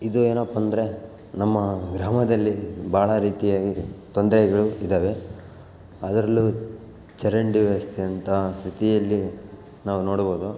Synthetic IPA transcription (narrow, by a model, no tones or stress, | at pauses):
id̪ueːnɐːpːɐnd̪ɐɾe̞ | nɐmːɐɡɾaːmɐd̪ɐlːibʱaːɭɐɾiːt̪ijaːɡit̪ond̪ɾɛɡɐɭuid̪aːʋe̞ | ɐd̪ɐɾɐlːu | t͡ʃɐɾɐɳɖiʋɐst̪ʰijɐnt̪ɐst̪ʰit̪ijɐlːi | naːʋuno̞ːɽboːd̪u